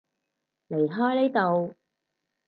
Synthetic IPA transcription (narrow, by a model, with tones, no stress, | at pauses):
le˨˩jɦɔː˥jle˥jt̪o˧w